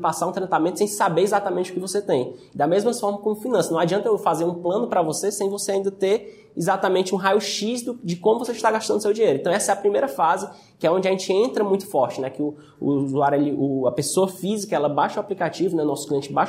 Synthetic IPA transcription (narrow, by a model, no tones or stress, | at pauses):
pasaɾũt̪ɾẽt̪amẽnt̪ʊ̥sẽj̃sabeɾizat̪amẽnt͡ʃɪʊ̥kɪvoset̪ẽj̃d̪ɐmezmɐfɔɾmɐskõmʊfinɐ̃sɐnɐ̃w̃ad͡ʒiɐ̃nt̪ɐewfazeɾũplɐ̃nʊpɾɐvosesẽj̃voseaĩnd̪ɐt̪eɾ | izat̪amẽnt͡ʃɪũɦajʊʃizd̪ʊd͡ʒɪkõmʊvoseʃt̪aɡaʃt̪ɐ̃d̪ʊsewd͡ʒiɲeɾʊẽt̪ɐ̃w̃ɛsɐɛɐpɾimejɾɐfazɪ | kɪɛõd͡ʒɪɐʒẽnt͡ʃɪẽt̪ɾɐmũj̃t̪ʊ̥fɔɾt͡ʃɪnɛkɪʊ | ʊ̰zuaɾɛliʔʊɐpesoɐfizikɐɛlɐbaʃɐaplikat͡ʃivʊnɛʊnɔsʊ̥kliẽt͡ʃɪbaʃ